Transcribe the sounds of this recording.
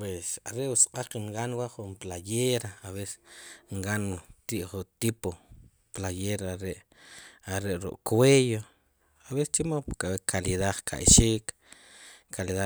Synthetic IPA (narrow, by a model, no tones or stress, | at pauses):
pwesa̰ɾeʔusḁqʼaqiŋɡanwaʔχumplajeɾaaβese̥ŋɡant̪iʔχut̪ipo | plajeɾaaɾeʔ | aɾeʔɾṵʔʼkwejo | aβese̥st͡ʃimapukʼabekʰaliðakʰa̰ʔʃiːk | kʰaliða